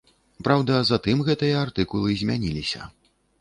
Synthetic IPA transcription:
pɾawd̪ɐzat̪ɨmɣɛt̪ɨjɐart̪ɨkulˠɨzʲmʲanʲilʲisʲɐ̰

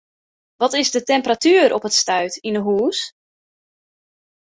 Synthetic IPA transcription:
ʋɔtɪzdətɛmpəratyːɾʔɔpətstœɥtinəɦuːs

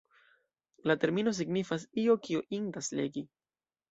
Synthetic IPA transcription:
late̞ɾmino̞s̬iɡnifasio̞kioʔindasle̞̰ɡi

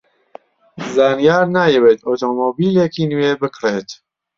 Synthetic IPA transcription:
zaːnijaːɾnaːjɛweːt̪oːt̪omoːbiːlekiːnuweːbɨkɾet̪

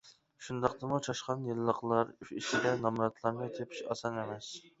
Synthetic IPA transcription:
ʃund̪ɑqt̪ɑmut͡ʃʰɑʃqɑnjɨlˠːəqlˠɑɾyiʃid̪ɛnɑmɾɑt̪ʰlˠɑɾd̪ət̪ʲʰepʰi̥ʃɑ̰sɑnemɛs

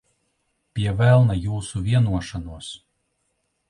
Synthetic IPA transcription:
pʲiɛvælˠnajuːsuvʲiɛnuɔʃanuɔs

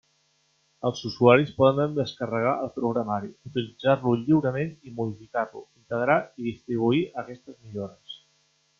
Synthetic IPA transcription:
əlˠzuzuaɾispɔðənənd̪əskərəɣ̞aʔəlˠpɾuɣɾəmaɾiut̪ilid͡zarluʎiwɾəmenimuð̞ifikarlṵint̪əɣɾaiðist̪ɾiβ̞uiʔəkɛst̪əzmiʎoɾəs

